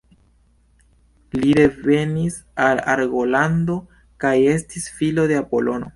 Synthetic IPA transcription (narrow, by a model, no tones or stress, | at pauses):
liɾe̞ve̞nis | ala̰ɾɡo̞lando̞ | kaje̞s̬tisfilo̞de̞apo̞lo̞no̞̰